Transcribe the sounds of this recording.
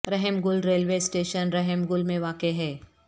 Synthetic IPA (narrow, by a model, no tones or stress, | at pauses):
ɾɛɦɛmɡʊlɾeːlʋesʈeːʃənɾɛɦɛmɡʊlmẽʋaːkeɦɛː